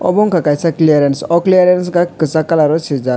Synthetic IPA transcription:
ɔ̰bɔŋkakajsaklijaɾensɔklijaɾjenskakɯsakalaɾosʰid͡za

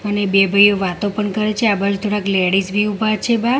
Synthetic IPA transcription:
ənebebʱəjoʋat̪opəɳkəɾet͡ʃʰeabad͡ʒut̪ʰoɽãkleɽisbʱiubʱat͡ʃʰeba

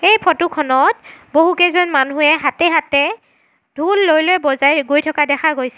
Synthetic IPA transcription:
ejpʰɔtukʰɔnɔt̚boɦukɛzɔnmanuɛɦatɛɦatɛ | d̥ʱulːojlojbɔzajɡojtʰɔkadɛkʰaɡojsɛ

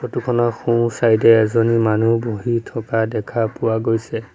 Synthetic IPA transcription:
potukʰɔnɔxũsajdɛɛzonimanuboɦitʰɔkadɛkʰapuwaɡojsɛ

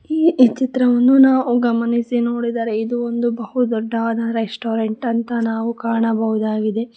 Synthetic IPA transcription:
iːt͡ʃit̪ɾɐʋɐnːunaːʋuɡɐmɐnisino̞ːɽid̪aːɾeid̪uond̪ubɐhud̪ɔɖːɐaːd̪ɐɾesʈoːɾeɳʈɐnt̪ɐnaːʋukaːɳɐbɐɦud̪aːɡid̪e̞

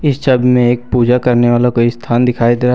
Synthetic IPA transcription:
ɪsʃɐbmẽeːk̚puːd͡ʒakɐɾneʋaːlakoːist̪ʰaːnd̪ɪkʰaːid̪eːɾa

